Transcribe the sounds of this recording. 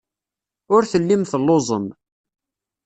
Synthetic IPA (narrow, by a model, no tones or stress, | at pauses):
ʊɾθəlːimθəlːozˤəm